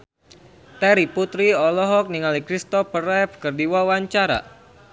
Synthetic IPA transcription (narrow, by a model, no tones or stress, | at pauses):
t̪ɛɾiput̪ɾiɔlɔɦɔk̚niŋalikɾist̪ɔfərɛfkərdiwawaɲt͡ʃaɾa̰